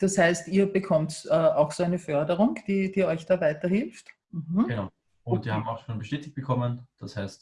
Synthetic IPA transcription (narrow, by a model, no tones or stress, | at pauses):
d̥ashaɪstiːɐbəkʰɔmtɛːaʊxsoæɪnəfœɐdəʁʊŋd̥iːd̥iːɔʏçd̥aːvaɪtɐhɪlft | m̩hm̩ɡ̥ənaʊ | ʊntv̥iɐaːbm̩aʊxʃoːnbəʃteːtɪç̚t̚b̥əkʰɔmənd̥ashɛɪst